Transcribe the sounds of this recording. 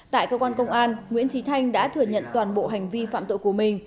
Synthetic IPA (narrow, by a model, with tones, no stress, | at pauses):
t̪a̰ː˧˨jkəː˧kwaː˧nkə˧wŋ͡mʔaː˧nŋwḭ˧˥ənt͡ɕi˨˦t̪ʰa˧jŋ̟ɗa̰ː˧˥t̪ʰɨ˨˧˩əɲə̰˧˨nt̪waː˨˩nɓo̰˧˨ɦa˨˩jŋ̟vi˧fa̰ː˧˨mt̪o̰˧˨jku˧˩əmï˨˩ŋ̟